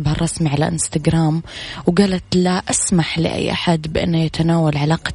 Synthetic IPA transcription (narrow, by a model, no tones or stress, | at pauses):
bhɑrˤːɑsmiʕala̰ʔɪnst̪aɡɾˤaːmwɡaːlat̪laʔasmaħlɪ̰ʔa̰jːʔa̰ħad̪bɪʔɪ̰nːajat̪ʰanaːwalʕalaːqɑ̥